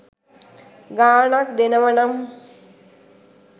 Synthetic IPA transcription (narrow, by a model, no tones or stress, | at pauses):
ɡaːɳak̚d̪enəʋɐnɐm